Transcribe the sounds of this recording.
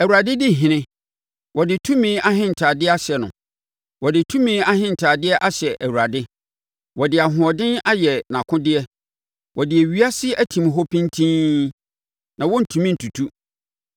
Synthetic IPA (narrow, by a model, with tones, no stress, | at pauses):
æ˨wu˨ɾa˨dɪ˦dɪ˦˨ɦɪ̃˨nɪ̃˦ | wɔ˨dɪ˨tʰũ˦mĩː˦a˦ɦɪ̃˦n̩˨tʰaː˨dɪ˦a˦ɕɛ˨nʊ̰̃˨ | wɔ˨dɪ˨tʰũ˦mĩː˦a˦hɪ̃˦n̩˨tʰaː˨dɪ˦ɛ˦ʔa˦ɕɛ˨ʔæ˨wu˨ɾa˨dɪ˦ | wɔ˨dɪ˨a˨ɦʊ̃˨ɔ˨dɪ̃˦na˦jɛ˨nã˨kʰʊ̃˦dɪ˦ɛ˦ | wʔɔ˨dɪ˨æ˨ɥi˦a˦sɪ˦æ˦tʰĩ˨mɦɔ˦pʰĩ˦ntʰĩ˦ | nã˨wɔ̃˦n̩˨tʰũ˨mĩ˦n̩˨tʰu˨tʰu˦